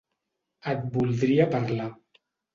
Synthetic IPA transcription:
ət̪̚bulˠd̪ɾiəpaɾla

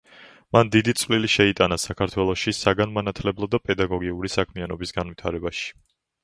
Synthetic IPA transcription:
mand̪id̪it̪sʼvliliʃɛit̪ʼanasakʰaɾt̪ʰwɛlˠɔʃisaɡanmanat̪ʰlɛblˠɔd̪apʼɛd̪aɡɔɡiuɾisakʰmianɔbisɡanvwit̪ʰaɾɛbaʃi̥

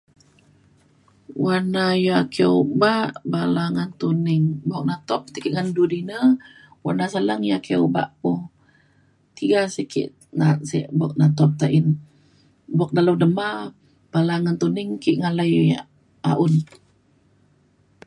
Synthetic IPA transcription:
wanajakəubaʔbalaŋant̪unɪŋbɔk̚nat̪ɔp̚t̪ikiʔŋandudinə | wa̰nasaləŋjakiəuba̰ʔpʊh | t̪iɡasikʰḭʔ | nat̪siʔbɔk̚nat̪ɔp̚t̪aʔin | bɔk̚dalawdəma | b̥alaŋant̪unɪŋkiʔŋalaj | a̰ʔun

